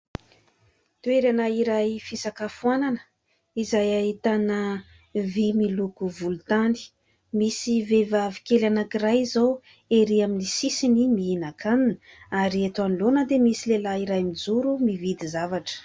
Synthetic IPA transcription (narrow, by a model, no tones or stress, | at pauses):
t̪ueɾanaiɾajfisakafuananə̥ | izajaɦit̪anə | vimilukuvulut̪ani̥ | misivevavikelanakirajzow | eɾiaminisisinimiinakʰaninə | aɾiet̪uanlonəd̪emisilelaiɾajmid͡zuɾumivid̪izavaʈ͡ʂə̥